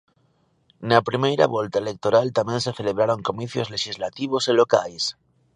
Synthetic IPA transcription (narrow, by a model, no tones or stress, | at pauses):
napɾimejɾa̰βolt̪aele̞k̚t̪oɾalt̪amjẽnseθe̞leβ̞ɾaɾo̞ŋkomiθjozle̞ʃizlat̪iβ̞oselo̞kajs